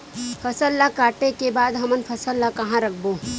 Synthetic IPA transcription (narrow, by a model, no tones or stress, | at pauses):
fʰɐsəlːakaːʈekebaːd̪ɦɐmənfʰɐsəlːakɐɦãɾɐk̚ʰboː